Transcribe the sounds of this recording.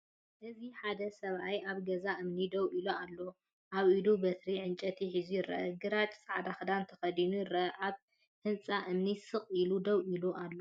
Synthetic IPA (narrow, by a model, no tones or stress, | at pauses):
ʔɨziħad̪ɐsɐβʔajʔaβɡɐzaʔɨmnid̪ɐwʔiloalːo̞ | ʔaβʔid̪ubɐt̪ɾiʕɨnt͡ʃʼɐt̪ʰiħizujɪɾɐ̰ʔɐɡɨɾat͡ʃʼsʼaʕd̪axɨd̪ant̪ʰɐxɐd̪inujɪɾɐʔɐʔaβ | hɨnt͡sʼaʔɨmnisɨχʼilud̪ɐwʔiloʔalːo